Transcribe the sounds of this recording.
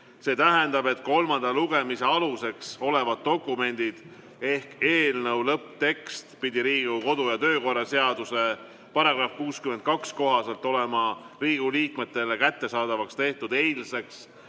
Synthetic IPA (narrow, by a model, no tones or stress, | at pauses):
se̞ːt̪æɦend̪̥ɑbe̞t̪ko̞lmɑnd̪̥ɑluɡ̥e̞mise̞ɑluse̞kso̞le̞vɑd̪̥̚d̪o̞kːˑume̞nʲd̪̥id̪̥ | e̞hke̞ːlnɤwlɤpt̪e̞kst̪pid̪iɾiːɡuko̞d̪̥ujɑt̪ø̞ːko̞rːɑse̞ɑd̪̥use̞ | pɑɾɑɡrɑfkuːskymen̚kɑksko̞ɦɑse̞lt̪ːˑo̞le̞mɑ | riːɡuliːkme̞t̪ːˑe̞lekæt̪ːe̞sɑːd̪ɑvɑkst̪e̞ht̪ud̪e̞jlse̞ks